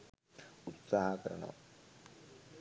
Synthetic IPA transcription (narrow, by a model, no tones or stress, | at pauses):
ut̪saːɦɐkɐɾɐɳo̰